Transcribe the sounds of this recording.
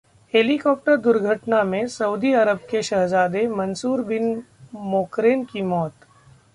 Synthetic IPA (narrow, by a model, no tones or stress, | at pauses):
heːlikɔːp̚ʈəɾd̪ʊɾɡʱəʈnamẽsɐuːd̪iɐɾəb̚keʃɐɦzaːd̪emɐnsuːɾbɪn | moːkɾeːnkimɔːt̪